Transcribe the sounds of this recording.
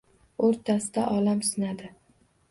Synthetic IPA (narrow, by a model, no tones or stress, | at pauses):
oɾt̪ʰasɪd̪aʔɒlamsɪnad̪ɪ